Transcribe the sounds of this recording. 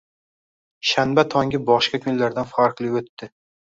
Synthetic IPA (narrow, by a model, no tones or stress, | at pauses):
ʃanbat̪ʰɒŋɡʲɪbɒʃkʲakʰʲʊnlaɾd̪anfaɾqlˠɪɵt̪ːɪ